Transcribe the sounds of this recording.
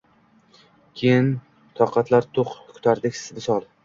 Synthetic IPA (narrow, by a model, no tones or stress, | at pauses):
kʲʰejɪn | t̪ʰɒqʰːɑt̪ʰlaɾt̪ʰoqkʰʊ̥t̪ʰaɾd̪ɪkʲsɪzmɪsɒlˠ